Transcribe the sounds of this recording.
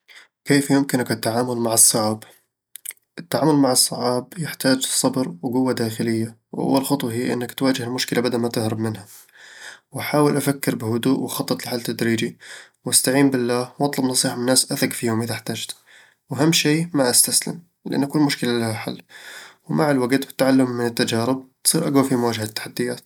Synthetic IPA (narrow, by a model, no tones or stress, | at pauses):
keːfjʊmkɪnkɪt̪ːaʕaːmʊlmaʕɑsˤːɑʕɑːb | ʔɪt̪ːaʕaːmʊlmaʕɑsˤːɑʕɑːbjɪħt̪aːd͡ʒsˤːɑbɾwɡʊwːad̪aːxɪlɪjːa | wʔa̰wːalxɑt̪ˤwɑɦɪjːʔɪ̰nːakt̪waːd͡ʒɪhɪlmʊʃkɪlʔabad̪almat̪ɪhɾɪbmɪnha | wʔaħaːwɪlʔafakːɪɾbɪhʊd̪uːʔwɑxɑt̪ˤːɨt̪ˤlɪħaːlt̪ːad̪ɾiːd͡ʒiwʔast̪aʕiːmbɪlːaːhwʔɑt̪ˤlɑbnɑsˤiːħamɪnːaːsʔaθakfiːhʊmʔɪðaħt̪aːd͡ʒt̪ | wʔaɦamːʃeːmaʔast̪aslɪ̰m | lɪʔa̰nːakuːlmʊʃkɪlalahaħa̰lːwmaʕɪlwaɡt̪bɪ̥t̪ːaʕalːʊmːɪnɪt̪ːad͡ʒaːɾɪb̚t̪sˤiːɾʔaɡwafimʊwaːd͡ʒahat̪ːḁħad̪ːɪjaːt̪